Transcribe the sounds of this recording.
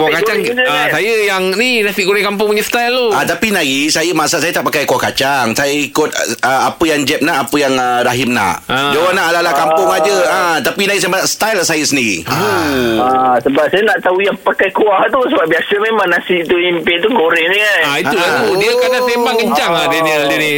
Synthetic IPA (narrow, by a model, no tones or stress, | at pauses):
kuwakat͡ʃaŋasajəjaŋninasiʔɡoɾɛŋkamp̬ʊŋpuɲəst̪ajlːoat̪apinaɡisajəmasaʔsajət̪aʔpakajkuahkat͡ʃaŋsajəikʊt̪̚əapəjaŋd͡ʒɛp̚naʔapəjaŋəɾaɦɪmna̰ʔad͡ʒawanaʔalalahkampʊŋad͡ʒəə̃t̪apinaɡisajəmasaʔsə̥t̪ajlsajəsəndiɣḭ | asəbap̚sajənaʔt̪aujaŋpakajkuaht̪usəbap̚biasəmemãŋnasiʔt̪uimpet̪uɡoɾɛnikanaiulaɡudiəkanat̪embaŋkəɲt͡ʃaŋadiədialdiəni